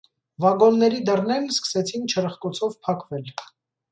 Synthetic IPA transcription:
vɑɡɔnːɛɾid̪ərnɛlskə̥sɛt͡sʰint͡ʃʰəɾəχkɔt͡sʰɔvpʰɑkvɛl

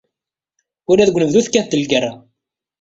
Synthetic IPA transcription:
ʊɾæðɡʷnəvðuθkːæθd̪əlɡəɾːa

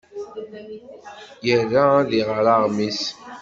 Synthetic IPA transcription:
jərːaðiʁɾaʁmis

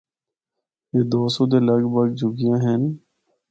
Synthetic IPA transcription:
eːd̪oːsõːd̪eːləɡbəɡ̚d͡ʒʊɡɪjãːɦɛn

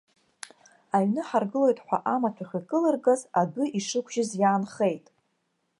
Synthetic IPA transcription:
aɥnɨħarɡɨlo̞jtʼħʷa̰ʔamatʷʰaχʲikʼɨlɨrɡazadʊʔiʂɨkʷʰʒɪzjaːnχejtʼ

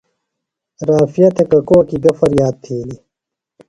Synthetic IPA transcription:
ɾaːfijɐt̪ʰekɐkoːkiɡ̪ɐfɐɾjaːd̪̚t̪ʰeːli

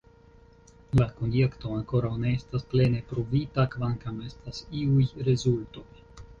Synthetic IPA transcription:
lako̞nje̞kto̞aŋko̞ɾawne̞estasple̞ne̞pɾovitakvaŋkame̞stasiujɾe̞zulto̞j

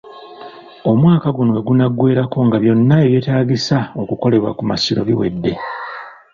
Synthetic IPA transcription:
o̞mwaːkaɡunoeɡunaɡwe̞ːɾako̞ŋɡaβjo̞nːae̞βje̞ːtaːɡisao̞kuko̞le̞βwa̰kumasiɾoβiwe̞̰dːe̞

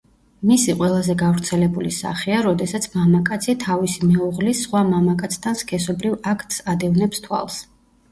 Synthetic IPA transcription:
misiqʼwɛlˠazɛɡavɾt̪sʰɛlɛbulisa̰χiaɾɔd̪ɛsat̪sʰmamakʼat̪sʰit̪ʰavisimɛuʁlisχwamamakʼat̪sʰt̪ʰanskʰɛsɔbɾivakʰt̪ʰʼsad̪ɛvnɛpst̪ʰwa̰lˠs

